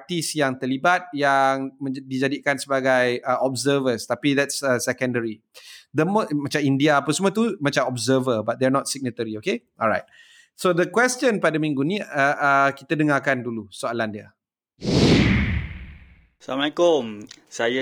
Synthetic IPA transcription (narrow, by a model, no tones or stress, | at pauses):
t̪isjaŋt̪əlibat̪̚jaŋmə̃did͡ʒadikansəbaɡajəɔbzəvəst̪apid̪ɛtsəsɛkə̃ndəɾi | d̪əmmat͡ʃamindiaːpəsmɔt̪umãt͡ʃamɔbzəvəbat̚d̪ɛnɔt̪̚siɡ̚nət̪əɾiokeʔɔlɹa̰jt̪̚ | sod̪əkwɛst͡ʃə̃npadəmĩŋɡunĩəʔəkit̪ədəŋakandulusoalandia | samakomsaja